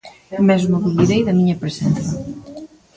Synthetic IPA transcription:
mɛzmoβiliɾejðɐmiɲɐpɾesɛnθɐ

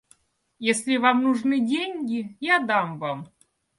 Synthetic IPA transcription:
jesʲlʲɪvamnʊʐnɨdʲenʲɡʲɪjad̪amvam

